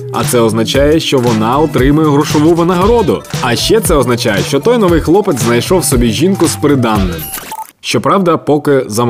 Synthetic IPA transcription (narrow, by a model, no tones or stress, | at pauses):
ɐ̰t̪sɛɔznɐt͡ʃɑjɛʃt͡ʃɔʋɔnɑɔt̪ɾɪmʊjɛɦɾɔʃɔʋuʋɐnɐɦɐɾɔd̪ʊɐʃt͡ʃɛt̪sɛɔznɐt͡ʃajɛʃt͡ʃɔt̪ɔjnɔʋɪjxlˠɔpɪt̪ʲznɐjʃɔwsɔbʲiʒʲinkʊspɾɪd̪ɑnːɪm | ʃt͡ʃɔpɾɑwd̪ɐpɔkɪzɐm